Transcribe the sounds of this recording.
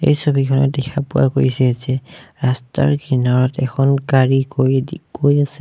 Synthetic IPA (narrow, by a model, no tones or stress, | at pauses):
ḛjsobʱikʰɔnɔdɛxʰapʊa̰koɹisɛzɛɹasta̰ɹkʰinɔɹɔtɛkʰɔnkaɹikokojasɛ